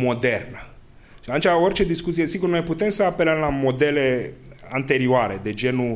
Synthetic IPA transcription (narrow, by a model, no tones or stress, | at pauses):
mo̞d̪ernə | ʃiat̪unt͡ʃao̞rt͡ʃe̞d̪iskut̪siesiɡurno̞jput̪e̞msəape̞ləmlamo̞d̪e̞le̞ | ant̪e̞ɾioaɾed̪ed͡ʒe̞nu